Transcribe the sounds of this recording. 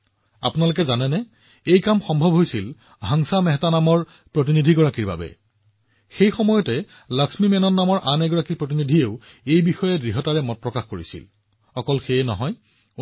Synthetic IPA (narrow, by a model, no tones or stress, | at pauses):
a̰punalʊk̬ɛzanɛnɛ | ejkamxɔmbʱɔbʱɦojsil | ɦaŋsamɛɦɛtanamɔɹ | pɹot̬inidʱiɡɔɹakiɹba̰bɛ̰ | xejxɔmɔjɔtɛ | laksmimɛnɔnːamɔɹʔanɛɡɔɹakiɹpɹot̬inidʱieʊejbixɔjɛdɹiɦɔtaɹɛmɔt̚pɹɔkaxkoɹḭsḭl | xɔkɔlxejɛnɔ̰ɦɔj